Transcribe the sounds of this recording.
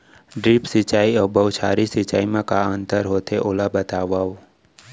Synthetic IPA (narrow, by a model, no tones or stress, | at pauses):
ɖɾiːpsɪt͡ʃaːiɔːbəʊt͡ʃʰaːɾisɪt͡ʃaːimẽkaə̃nt̪əɾɦoːt̪eʔoːlabət̪aːʋaːo